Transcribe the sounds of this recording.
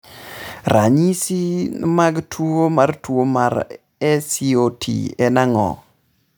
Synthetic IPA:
rʔaɲisimaɡtʰwomartwomaɾ | ɛsiotʰḭɛnaŋɔ̰

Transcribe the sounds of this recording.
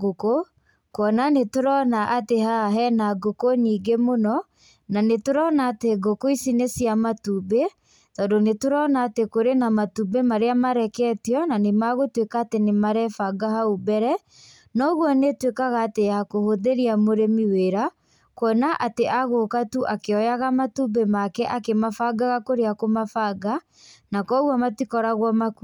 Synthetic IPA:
ɡoko | kɔnanetoɾɔnaʔatehaɦɛnaɡokoniːɡemonɔ | nanetoɾɔnaːteɡokoisinesjamatube | tɔdonetoɾɔnaːtekoɾenamatubemaɾeamaɾɛkɛtjɔnanemaɣotwekaːtenemaɾɛfaɡaɦaubɛɾɛ | nɔɣwɔnetwekaɣaːtejakohoðeɾiamoɾemiweɾa | kwɔnaʔateʔaɣokatuʔakeɔjaɣamatubemakɛʔakemafaɡaɣakoɾeakomafaɡa | nakɔɣwamatikɔɾaɣwɔmaku

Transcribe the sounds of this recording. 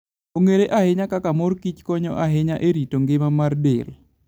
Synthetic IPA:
oŋeɾeʔahɪɲakakamorkit͡ʃkɔɲɔʔaɦɪɲaʔeɾitoŋɡɪmamardɪ̰l

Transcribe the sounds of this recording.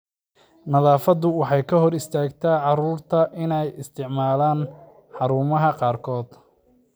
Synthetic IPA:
nɐðɑːfɐd̪ʊwɑħɑjkʰɐɦɔɾɪst̪ʰaːɡt̪ʰɐʕɑɾuːrt̪ʰɐʔɪnɛjɪst̪ʰɪʕmaːlaːn | ħɑɾuːmɐɦɐqɑːrkʰɔːd̪

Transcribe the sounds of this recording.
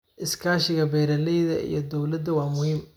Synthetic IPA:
ʔɪskʰaːʃɪɣɐbɛːɾɐlɛjðɐ̰ʔḭjɞd̪ɔwlɐd̪ːɐwɑːmʊhiːm

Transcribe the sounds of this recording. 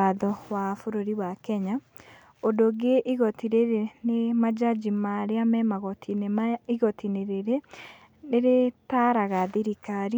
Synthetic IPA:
aðɔwafoɾoɾiwakɛɲa | odoɡeʔiɣɔtiɾeɾenemad͡ʒad͡ʒimaɾeamɛmaɣɔtʰineiɣɔtʰineɾeɾe | neɾetaɾaɣaðiɾikaɾi

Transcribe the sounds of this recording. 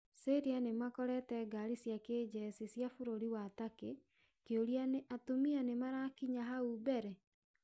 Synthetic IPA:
seɾianemakɔɾɛtɛɡaɾisjaked͡ʑɛsisjafoɾoɾiwatake | keoɾianeʔatomianemaɾakiɲaɦaubɛɾɛ

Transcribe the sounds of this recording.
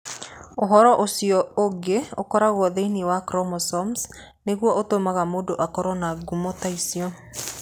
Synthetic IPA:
oɦɔɾɔʔosiɔoɡeokɔɾaɣwɔðeiniwakɾɔmɔsɔms | neɣwɔʔotomaɣamodoʔakɔɾɔnaɡumɔtaisiɔ

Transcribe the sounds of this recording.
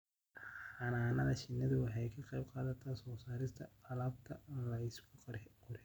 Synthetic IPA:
ħɑnaːnɐðɐʃɪnːɪðʊwɑħɑjkʰɐqɑjbqɑːðɐt̪ʰɐsɔːsaːɾɪst̪ʰɐ̰ɐlɐːb̚t̪ʰɐɪnlɐɪskʰʊqʊɾħ

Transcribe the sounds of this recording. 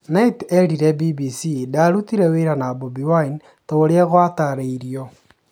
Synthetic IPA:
naitɛɾiɾɛbibisidaɾut̪iɾɛweɾanabobiwain | tooɾjɛɣwat̪aɾeiɾjɔ

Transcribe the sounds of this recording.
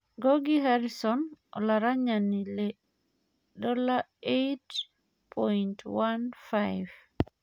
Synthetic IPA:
ɡoɡiɦaɾisɔnʔɔ̰laɾaɲanːilɛ | dɔlaejt | pʰɔjntwanfajv

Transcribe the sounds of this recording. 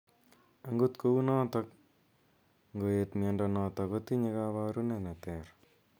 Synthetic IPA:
aŋɡot̪kounɔt̪ɔk | ŋɡoet̪mɛndɔnɔt̪ɔkot̪iɲekaβaɾunɛnɛt̪ɛɾ

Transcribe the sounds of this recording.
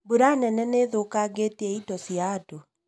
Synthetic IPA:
boɾanɛnɛneːðokaɡeteɛidɔsjado

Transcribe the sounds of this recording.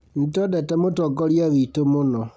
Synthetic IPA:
n̩tɔdɛtɛmotɔɡɔɾjaβitomonɔ

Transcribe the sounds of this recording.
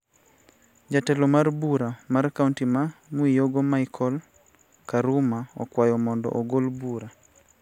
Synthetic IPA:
d͡ʒatɛlɔmarbuɾamarkauntimamwijoɡomajkʰɔl | kaɾumaɔ̰kwajɔmɔndɔ̰ʔoɡolbuɾa

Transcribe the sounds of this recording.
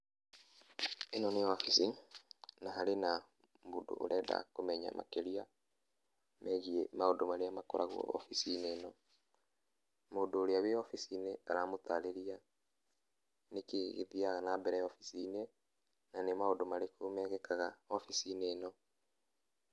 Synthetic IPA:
enɔneafisi | naɦaɾena | mbodo̰ʔo̰ɾʔɛːda̰komɛɲa̰ma̰keɾia | mɛɣiemaodomaɾeamakɔɾaɣwɔ̰ɔ̰fisineːnɔ | moːdoːɾeaweɔfisineaɾamot̪aɾeɾia | nekḛɣḛðiaɣanabɛɾɛɔfisine | nanemaodomaɾekomɛɣɛkaɣaɔfisineːnɔ

